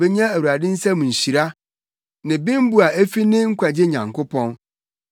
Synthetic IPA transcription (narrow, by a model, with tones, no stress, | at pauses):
be˦ɲã˦æ˨wu˨ɾa˨dɪ̃˦n̩˦sã˦mũ˨ɲ̩˨ɕi˨ɾa˦ | nɪ̃˨bɪ̃˦m˦bu˦a˨æ˦fi˦nɪ̃˦ŋ̩˦kʷʰa˨d͡ʑɪ˦ɲã˨ŋkʰʊ˦pʰɔ̃˦n